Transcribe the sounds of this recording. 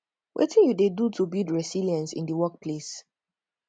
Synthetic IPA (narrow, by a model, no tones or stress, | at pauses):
wʔɛ̰tʰĩnjudedutʰubidɹɛsiliãnsḭ̃ndəwɔk̚pʰles